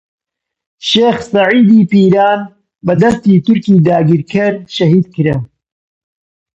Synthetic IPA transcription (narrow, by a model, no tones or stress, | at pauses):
ʃeːxsɐʕiːd̪iːpiːɾaːn | bɐd̪ɐst̪iːt̪ʊɾkiːd̪aːɡiɾkʰɐɾʃɐɦiːd̪kɨɾɐ